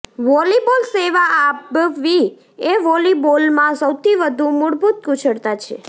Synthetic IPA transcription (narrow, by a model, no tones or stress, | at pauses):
ʋɔlibolseʋaʔːbʋi | eʋɔlibolmãsəwt̪ʰiʋəd̪ʱũmuɽbʱut̪̚kut͡ʃʰəɽt̪at͡ʃʰḛ